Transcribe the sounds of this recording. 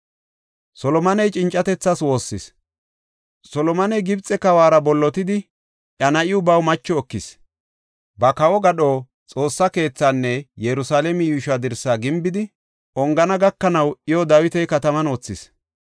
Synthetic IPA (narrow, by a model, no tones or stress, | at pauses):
sɔlɔmɐnɛjt͡ʃʼɪnt͡ʃʼːɐt̪ɛt͡sːaːswo̞ːsːɪs | sɔlɔmɐnɛjɡɪbt͡sʼːɛkɐwaːɾɐbɔlːɔt̪ɪd̪ɪ | ʔjɐnɐʔɪʊbɐwmɐt͡ʃːɔɔkːɪs | bɐkɐwɔɡɐɗoː | t͡sʼo̞ːsːɐke̞ːt͡sːanːɛjɛɾʊsaːlɛmɪjuːʃad̪ɪɾsːaːɡɪmbɪd̪ɪ | ʔɔŋɡɐnɐɡɐkːɐnɐwɪjɔd̪awɪt̪ɛjkɐt̪ɐmɐnoːt͡sːɪs